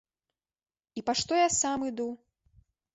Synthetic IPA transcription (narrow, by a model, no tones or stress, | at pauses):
ipaʂt̪ɔjasamɨd̪u